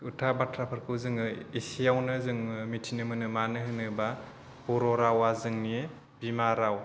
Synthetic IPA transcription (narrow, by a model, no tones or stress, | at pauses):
utʰabatʰɾapʰɯɾkʰɯwzɯŋɯisijawnɯzɯŋmitʰinɯmɯnɯmanɯɦɯnɯba | b̥ɔɾɔɾawazɯŋnie | bimaɾaw